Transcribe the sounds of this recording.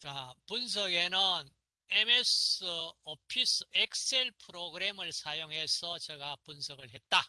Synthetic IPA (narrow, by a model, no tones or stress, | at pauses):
t͡ɕapuns̬ʰʌɡe̞nɯn | emesɯopʰisek̚sʰe̞ɭpʰɯɾoɡɯɾe̞mɯɭsʰajoŋɦe̞sʰʌt͡ɕʌɡapunsʰʌɡɯɭɦe̞t̚t͈a